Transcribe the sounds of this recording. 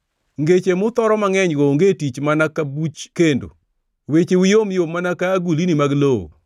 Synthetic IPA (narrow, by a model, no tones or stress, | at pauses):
ŋɡet͡ʃemʊt̪ɔɾɔmaŋɛɲɡoŋɡetit͡ʃmanakabut͡ʃkendo̰ | wet͡ʃewjomjomːanakaɡulinimaɡloo̰